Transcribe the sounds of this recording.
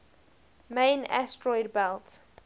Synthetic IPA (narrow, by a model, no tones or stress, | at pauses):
mẽɪna̰stʰɹɔɪdbɛlt